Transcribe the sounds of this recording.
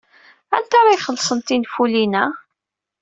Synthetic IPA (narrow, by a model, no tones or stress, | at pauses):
æ̰nt̪aɾˤɑjχəlːsˤənt̪infulinæ